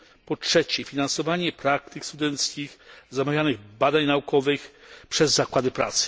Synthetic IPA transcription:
pɔtʂɛt͡ɕɛfʲinansɔvaɲɛpɾak̚t̪ɘkst̪ud̪ɛnt̪skʲixzamavʲjanɘɣbad̪aɲnaukɔvɘxpʂɛzːakwad̪ɘpɾa̰t̪sɘ̥

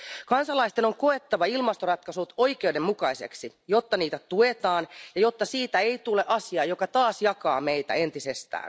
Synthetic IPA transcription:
kɑnsɑlɑist̪e̞no̞ŋko̞et̪ːɑʋɑilmɑst̪orɑt̪kɑsut̪o̞jk̟ewde̞mmukɑise̞̰ksijo̞t̪ːɑniːt̪æt̪uet̪ɑːnjɑjo̞t̪ːɑsiːt̪æeit̪uleʔɑsiɑːjo̞kɑt̪ɑːsjɑkɑːmejt̪æ̰e̞nt̪isest̪æ̰ːn

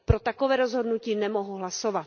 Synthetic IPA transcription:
pɾo̞t̪akovɛːɾozɦodnuciːnɛmoɦuɦlasovat̪

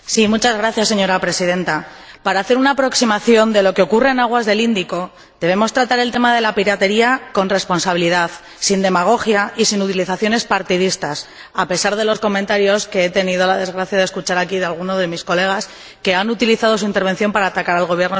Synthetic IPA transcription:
simut͡ʃazɣɾaθjasːe̞ɲo̞ɾapɾe̞siðe̞nt̪apaɾaːθeɾunaːpɾo̞ksimaθjo̞nd̪e̞lo̞ke̞o̞kure̞ːnaɣ̞wazðe̞lind̪iko̞ | d̪e̞β̞e̞mo̞st̪ɾat̪aɾe̞lt̪e̞maðe̞lapiɾat̪e̞ɾiako̞nre̞spo̞nsaβ̞iliðaθ | sind̪e̞maɣ̞o̞xjaisinut̪iliθaθjo̞ne̞spaɾt̪iðist̪as | ape̞saɾðe̞lo̞sko̞mẽnt̪aɾjo̞ske̞et̪e̞niðo̞laðe̞zɣɾaθjaðeskut͡ʃaɾakiðealɣ̞uno̞zðe̞misko̞le̞ɣ̞as | ke̞anut̪iliθað̞o̞s̬uint̪eɾβ̞e̞nθjo̞mpaɾaːt̪akaɾalɣ̞o̞βje̞ɾno

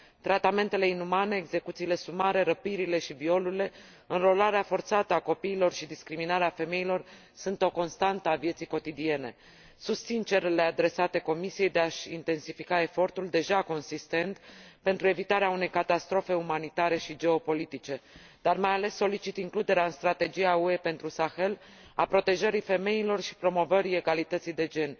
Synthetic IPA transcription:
t̪ɾat̪ame̞nt̪e̞le̞inumane̞ːɡze̞kut̪siːle̞sumaɾe̞ɾəpiɾile̞ʃivio̞luile̞ | ɨnro̞laɾeafo̞rt̪sat̪əako̞piːlo̞rʃid̪iskɾiminaɾeafe̞me̞ilo̞r | sunt̪o̞ko̞nst̪ant̪əavje̞t̪sijko̞t̪id̪ie̞ne̞̰ | sust̪sint͡ʃe̞rle̞ad̪ɾe̞sat̪e̞ko̞misijejd̪eaʃint̪e̞nsifikae̞fo̞rt̪uld̪e̞ʒako̞nsist̪e̞nt̪pe̞nt̪ɾue̞vit̪aɾeaune̞jkat̪ast̪ɾo̞fe̞umanit̪aɾe̞ʃid͡ʒe̞o̞po̞lit̪it͡ʃe̞ | d̪̥armajale̞sːo̞lit͡ʃit̪iŋklud̪e̞ɾeaɨnst̪ɾat̪e̞d͡ʒijaue̞pe̞nt̪ɾusaxe̞l | apɾo̞t̪e̞ʒəɾife̞me̞ilo̞rʃi̥pɾo̞mo̞vəɾie̞ɡalit̪ət̪sijd̪e̞d͡ʒe̞n

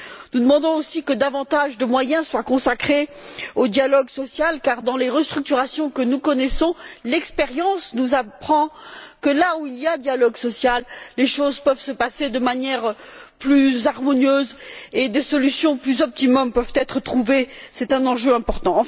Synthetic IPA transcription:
nud̪əmɑ̃d̪ɔ̃osikəd̪avɑ̃t̪aʒd̪əmwajɛ̃swakɔ̃sakχeod̪jalɔɡsɔsjalkaʁd̪ɑ̃leʁəst̪χyk̚t̪yʁasjɔ̃kənukɔnɛsɔ̃lɛkspɛʁjɑ̃snuzapχɑ̃kəlauilijad̪jalɔɡsɔsjalːeʃozpœvsəpased̪əmanjɛʁplyzaʁmɔnjøzed̪esɔlysjɔ̃plyzɔp̚t̪imɔmpœvt̪ɛt̪χət̪χuvesɛt̪ɛ̃nɑ̃ʒøɛ̃pɔʁt̪ɑ̃ɑ̃

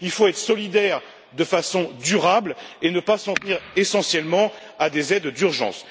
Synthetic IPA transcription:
ilfoɛt̪χəsɔlid̪ɛʁ | d̪əfasɔ̃d̪yʁablenəpasɑ̃t̪niʁesɑ̃sjɛlmɑ̃ | ad̪ezɛd̪d̪yʁʒɑ̰̃s

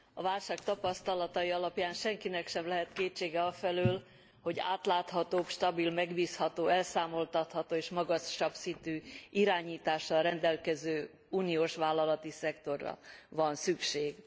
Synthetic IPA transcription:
ɒvaːlʃaːk̚t̪ɒpɒst̪ɒlɒt̪ɒjiɒlɒpjaːnʃɛŋkinɛkʃɛmlɛɦɛt̪keːt͡ʃːeːɡɛɒfɛløːl | ho̞ɟa̰ːt̪laːt̪hɒt̪oːpʃt̪ɒbilmɛɡbiːshɒt̪oːɛlsaːmo̞lt̪ɒt̪hɒt̪oːeːʃmɒɡɒʃɒbsint̪yiɾaːɲiːt̪aːʃːɒlrɛnd̪ɛlkɛzøː | uːnioːʃʋaːlːɒlɒt̪isɛkt̪o̞rːɒ̰vɒnsykʃeːɡ

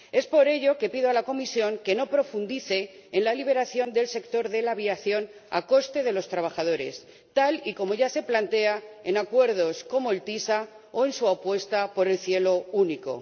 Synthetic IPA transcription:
e̞spo̞ɾe̞ʎo̞ke̞piðo̞alako̞misjo̞ŋke̞no̞pɾo̞fund̪iθe̞ːnlaliβ̞e̞ɾaθjo̞nd̪e̞lse̞kt̪o̞ɾðe̞laβ̞iaθjo̞na̰ko̞st̪e̞ð̞e̞lo̞st̪ɾaβ̞axað̞o̞ɾe̞̰s | t̪aliko̞mo̞ʝase̞plant̪e̞ae̞nakwe̞ɾð̞o̞sko̞mo̞elt̪isa | oe̞nsuapwe̞st̪apo̞ɾe̞lθje̞lo̞uniko̞̰

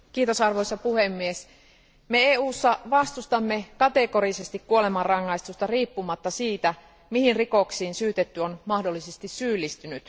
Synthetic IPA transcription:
kiːt̪osɑrʋoisːɑpuhemːies | meeːuːsːɑʋɑst̪ust̪ɑmːekɑt̪ekoɾisest̪ikkuolemɑrrɑŋːɑist̪ust̪ɑriːpːumɑt̪ːɑsiːt̪æ | mihinrikoksiːnsyːt̪et̪ːyonmɑhdolːisest̪issyːlːist̪ynyt̪

